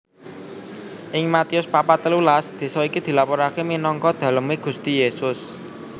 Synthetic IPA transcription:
ʔɪŋmat̪iʊspapat̪əlulasd̪̥e̤sɔikid̪̥i̤lapɔɾakeminɔŋkɔd̪̥a̤ləmeɡ̥ṳst̪ijesʊs

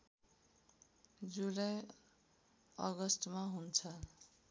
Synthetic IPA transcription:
d͡zulaj | ʌɡʌsʈmaɦunt͡sʰʌ

